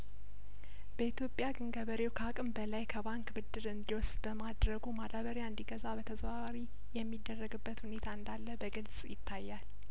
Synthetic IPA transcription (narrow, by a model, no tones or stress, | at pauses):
bəit̪ʰjo̞pʼːjaɡɨŋɡəβəɾewkʰakʼɨmbəlajkʰəbaŋkbɨd̪ːɨɾɨnd̪iwɔsbəmad̪ɾəɡumad̪aβəɾjaɨnd̪iɡəzabət̪ʰəzβawɾi | jɛmːid̪ːərːəɡɨbːət̪hune̞t̪ʰaɨnd̪alːəbəɡɨlsʼjɪt̪ʰːajːal